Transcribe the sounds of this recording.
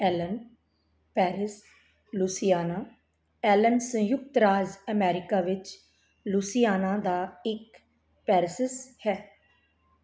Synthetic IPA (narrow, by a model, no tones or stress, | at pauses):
ɛːlən | pɛːɾɪs | luːsɪjaːnaː | ɛːlənsə̃jʊk̚t̪ɾaːzəmɛːɾɪkaːʋɪt͡ʃ | luːsɪjaːnãːd̪aːɪk | pɛːɾsəshɛː